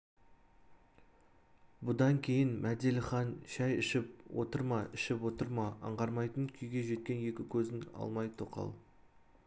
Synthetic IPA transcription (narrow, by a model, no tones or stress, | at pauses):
bʊd̪ɑŋkʲʰe̞jɪnmæd̪elʲχɑnʃæjʏʃɪpwo̞̰t̪əɾmɑɪʃɪpwo̞t̪əɾmɑɑ̰ɴʁɑɾmɑjt̪əɴkʲʰʏjɡʲe̞ʒe̞t̪̚kʲe̞nje̞kʲɪkʲʰɵzɪŋɑ̰lˠmɑjt̪ʰoqɑ̰lˠ